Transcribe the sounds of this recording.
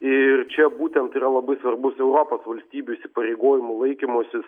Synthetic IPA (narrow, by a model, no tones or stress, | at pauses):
ɪrt͡ʃʲɛbuːt̪ʲɛnt̪iɾɐlˠɐbɐɪsʋɐrbʊsɛʊɾoːpoːsʋɐlʲsʲt̪ʲiːbʲuɪʃʲsʲɪpɐɾʲeɪɡoːjɪmʊlˠɐɪkʲɪmoːsʲɪs